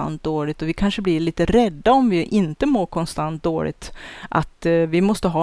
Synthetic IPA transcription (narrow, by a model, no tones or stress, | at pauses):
a̰nt̪̚d̪oːɭɪt̪ɔvɪkʰanʂəblɪɭiːt̪əɾɛd̪ːaɔmvɪʔɪnt̪əmoːɾkʰɔnst̪ant̪̚d̪oːɭɪ̰ɡ̚t̪ʔa̰t̪vɪmɔst̪əɦɑː